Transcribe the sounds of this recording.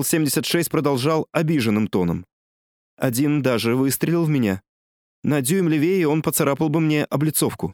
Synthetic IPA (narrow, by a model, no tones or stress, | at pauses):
lˠsʲemʲdʲɪsʲət̪ʂɛsʲt̚ʲpɾəd̪ɐlˠʐɑlˠɐbʲiʐɨnːɨmt̪o̞nə̰m | ɐdʲind̪aʐɨvɨst̪ɾʲɪlʲɪlˠvmʲɪnʲa | nɐdʲujɪmlʲɪvʲeɪo̞npət̪saɾapəlˠbɨmnʲe̞ʔɐblʲɪt̪so̞fkʊ